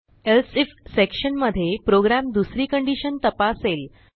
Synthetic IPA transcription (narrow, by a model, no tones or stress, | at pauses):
elsifsekɕənməd̪ʱːjepɾoɡɾamd̪usɾiːkəɳɖiɕənt̪əpasel